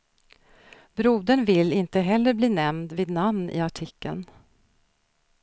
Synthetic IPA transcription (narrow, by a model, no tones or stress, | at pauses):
bɾuːd̪əɳvɪlːɪnt̪əɦɛlːəɾbliːnɛmd̪veːd̪namnɪ̰aʈʰɪkʰːə̰n